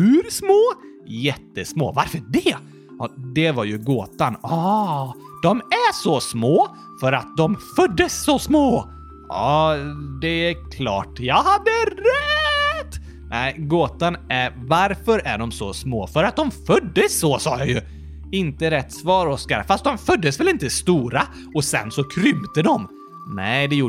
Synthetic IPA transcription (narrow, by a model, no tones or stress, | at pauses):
hʉɾsmoː | jɛt̪ːəsmo̰ːvaɾfəɖɛ | ɔd̪ɛvaɾjɵɡoːt̪anɑ | d̪̥ɔmæʂɔsmoː | fœɾat̪̚d̪ɔmfœd̪ːəsːɔsmoː | ɑːd̪ɛækʰlɑ̰ːʈjɑːɡhad̪ːəɾɛt̪ː | nɛɪɡoːt̪anæɾvaɾfœɾæ̰ɖɔmsɔ̰smoːfœɾat̪̚d̪ɔmfœd̪ːəsːɔsɑːjɑjɵ | ɪnt̪əɾɛt̪ːsvɑːɾɔskaɾfast̪̚d̪ɔmfœd̪ːəsvɛlɪnt̪əst̪uːɾa | ɔsɛ̰nsɔkʰɾʏmt̪əd̪ɔm | nɛd̪ɛjuː